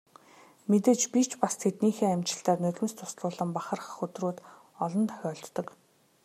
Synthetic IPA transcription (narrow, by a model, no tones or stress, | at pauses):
met̪eːt͡ɕpit͡ɕʰpast̪ʰet̪niːxeːæmʲt͡ɕɪ̆ɬt̪aːtnɵt̪ʲɘ̆mst̪ʰʊ̥sɮʊːɮə̆mpaχə̆rχə̆χɵt̪ruːt̪ | ɔɮɞ̆nt̪ʰœ̥xʲɔːɮt̪ːɞ̆k